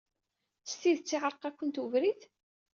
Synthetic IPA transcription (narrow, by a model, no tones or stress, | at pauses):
st̪iðt͡sːiʁəɾˤqækʷːənt̪uvɾiθ